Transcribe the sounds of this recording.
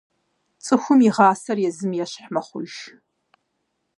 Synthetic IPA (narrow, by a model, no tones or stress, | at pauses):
t͡sʼɨxʷʊmiʁɑːsɐrjɛzɨmjɛɕħmɐχʷʊ̰ʒ